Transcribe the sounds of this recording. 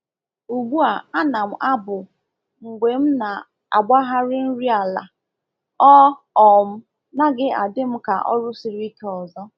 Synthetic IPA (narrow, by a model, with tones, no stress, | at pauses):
u˨ɡ͡bu˦a˨a˦na˨m̩˨ʔa˦bʊ˨ | ŋ̩˨ɡʷe˨m̩˦na˨ | a̰˨ɡ͡ba˦ɦa˦ɾɪ˦n̩˦ɾi˦a˨la̰˨ | ɔ˦ | ɔ˨m̩˦ | na˦ɡɪ˦a̰˨dɪ˦m̩˦ka̰˨ʔɔ̰˦ɾʊ˦si˦ɾi˦ke˦ɔ˨zɔ˦